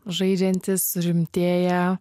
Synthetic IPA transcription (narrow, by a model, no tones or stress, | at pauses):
ʒɐɪd͡ʒʲɛnʲt̪ʲɪsʊɾʲɪmʲt̪ʲeːjɛ